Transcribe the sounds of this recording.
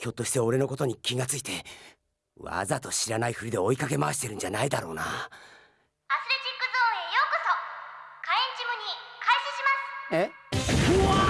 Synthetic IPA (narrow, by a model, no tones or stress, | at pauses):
kʲo̞t̪ːo̞ɕi̥t̪eo̞ɾe̞no̞ko̞t̪o̞ɲ̟ikʲiɡat͡sɨit̪e̞ | βa̰zat̪o̞ɕiɾanaiɸɯ̟ɾʲid̪e̞o̞ikake̞maβaɕi̥t̪e̞ɾɯ̟ɲ̟d͡ʑanaid̪aɾo̞ːna̰ | asɨɾet͡ɕikːɯ̟zoːejoːkɯ̟sokaẽɲ̟t͡ɕimɯ̟ɲ̟ikʰaiɕiɕimasɨ̥e